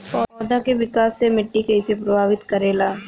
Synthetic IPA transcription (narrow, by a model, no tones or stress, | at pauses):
pɔːd̪akeʋɪkaːsːemɪʈːikɛːsepɾɐbʱaːʋɪt̪kɐɾeːlaː